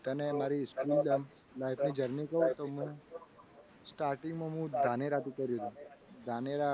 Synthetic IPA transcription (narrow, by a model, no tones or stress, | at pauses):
t̪ənemaɾiskuld̪əmlajfʰnid͡ʒəɾnikəɦũt̪oməɳe | sʈaɾʈiŋɡmãɦũd̪ʱaneɾat̪ikəɾjut̪ũd̪ʱaneɾa